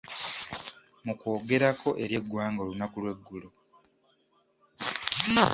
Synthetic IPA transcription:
muko̞ːɡe̞ɾakʰo̞ʔe̞ɾje̞ɡːwaːŋɡolunakulwe̞ɡːulo

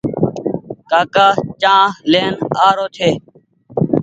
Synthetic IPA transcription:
kaːkaːt͡ʃãːleːnaːɾoːt̪ʰeː

